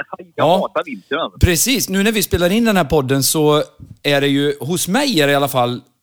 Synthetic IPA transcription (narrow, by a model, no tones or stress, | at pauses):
ɑːtavɪnt̪ənapʰɾɛsiːsnʉ̟ːnæɾvɪspeːlaɾɪnd̪ɛnhæːɾpɔd̪ːənsɔæɖɛjɵɦʊsmɛjæɾɪalːafalː